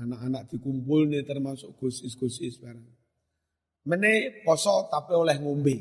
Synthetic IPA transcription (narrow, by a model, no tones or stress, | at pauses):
anaʔanak̚d̪̥i̤kumpʊlnet̪ərmasʊʔɡ̥o̤sɪsɡ̥o̤sɪsbaɾaŋ | mənepɔsɔt̪apiolɛhŋombe